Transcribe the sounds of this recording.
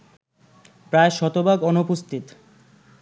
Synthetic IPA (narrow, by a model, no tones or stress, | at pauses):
pɾaeʃɔt̪obaɡɔnopost̪ʰit̪